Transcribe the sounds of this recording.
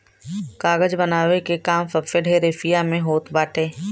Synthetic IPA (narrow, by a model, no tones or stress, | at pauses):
kaːɡəd͡ʒbɐnaːwekekaːmfɐfeɖʱeɾeːfijamẽɦoːt̪baːʈʰeː